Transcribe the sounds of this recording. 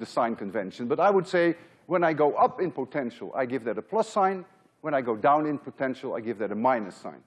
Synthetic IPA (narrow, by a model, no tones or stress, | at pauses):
ðɨsãɪ̃nkɨ̃ɱvɛ̰̃nʃɨ̃nbʌɾaɪwədseɪ | wə̃naɪɡoʊʔʌpɨ̃npʰotʰɛ̃nʃəl̩ˠa̰ɪɡɪvðɨɾəpʰl̥ʌsãɪ̃n | wə̃ñaɪɡoʊdãʊ̃nɨ̃npʰotʰɛ̃nʃəl̩ˠa̰ɪɡɪvðɨɾɨmãɪ̃nɨsã̰ɪ̃n